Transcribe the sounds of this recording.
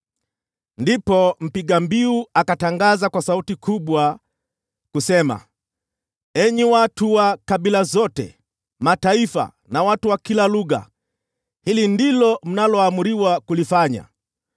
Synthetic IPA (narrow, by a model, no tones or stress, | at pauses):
ndipɔm̩piɠambiuakataŋɡazakwasautikʰuɓwa | kusɛma̰ | ɛɲiwatuwakaɓilazɔtɛ̰ | mataifa̰ | nawatuwakilaluɣa̰ | hilindilɔm̩nalɔamuɾiwakulifaɲa̰